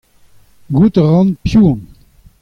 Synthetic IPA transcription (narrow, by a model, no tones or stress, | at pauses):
ɡut̪əʁɑ̃npjuːn